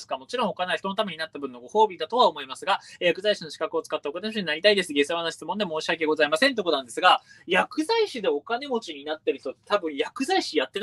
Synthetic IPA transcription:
sɨ̥kamo̞t͡ɕiɾõ̞ɰ̃okanaç̥t̪o̞not̪̬ame̞ɲ̟inat̪ːabɯ̟nːo̞ɡo̞ho̞ːbʲid̪at̪o̞βaomo̞imasɨɡajakɯ̟zaiɕinoɕi̥kakɯ̟o̞t͡sɨ̥kat̪ːaokane̞moɕiɲinaɾʲit̪aid̪e̞sɨɡe̞sɨβanoɕi̥t͡sɨmond̪emo̞ːɕiake̞ɡo̞zaimasent̪ekooãnd̪e̞sɨɡa | jakɯ̟zaiɕid̪e̞o̞kane̞mo̞t͡ɕiɲ̟inat̪ːeɾ̟ç̥t̪ot̪ːet̪abɯ̟̃ɰ̃jakɯ̟zaiɕijat̪ːe̞

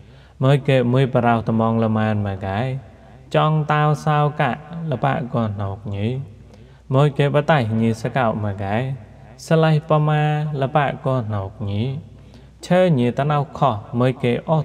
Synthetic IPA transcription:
məːjkeːmuəjpəɾawht̪əmɑŋləmaənməɡaɛ | t͡ɕɑŋt̪awsawkaʔləpa̰ːʔkoənoːk̚ɲi | moːjkeːɓat̪ahɲiəsəkawʔmaɡaɛ | səlahpəmaːləpaʔkoənoːk̚ɲi | t͡ɕʰəːɲiət̪anawkʰɑhməːjkeːʔo

